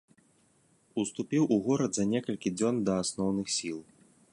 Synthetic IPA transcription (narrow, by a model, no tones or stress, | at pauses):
ust̪upʲiwʔuɣɔɾɐd̪zɐnʲɛkɐlʲkʲid͡zʲɔnd̪ɐasnɔwnɨxsʲilˠ